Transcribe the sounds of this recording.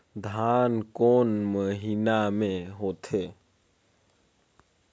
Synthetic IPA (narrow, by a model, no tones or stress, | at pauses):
d̪ʱaːnkoːnməɦinamẽɦoːt̪ʰe